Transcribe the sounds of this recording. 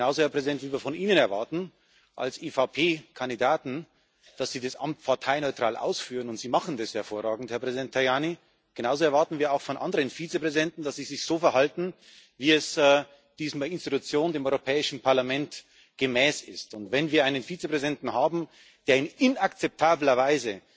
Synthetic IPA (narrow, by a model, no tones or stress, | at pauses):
ɡ̥ənaʊzohɛɐpʁ̥ɛzidɛntv̥iːviːɐfɔnʔiːnənɛɐvaɐtn̩ | ʔa̰lsʔeːfapʰeːkʰandidaːtn̩ | d̥asz̥iːdasʔa̰mt̚pʰaɐtʰaɪnɔʏtʁ̥aːlʔa̰ʊsfyːʁənʊntz̥iːmaχn̩dɛshɛɐfoːɐʁaːɡŋ̩thɛɐpʁ̥ɛzidɛntʰːaɪjaːni | ɡ̥ənaʊzoɛɐvaɐtn̩viːɐaʊxfɔnʔa̰ndəʁənfiːt͡sepʁ̥ɛzidɛntn̩d̥asz̥iːzɪçz̥oːfɛɐɦaltn̩ | viːɛsː | d̥iːzmaɪnstitut͡sjoːndeːmɔʏʁopʰɛːɪʃn̩pʰaɐlamɛnt | ɡ̥əmɛːsɪ̰stʊntvɛnviːɐaɪnənfiːt͡sepʁ̥ɛzidɛntn̩ɦaːbm̩ | d̥eːɐɪnɪnakt͡sɛp̚tʰaːblɐvaɪzə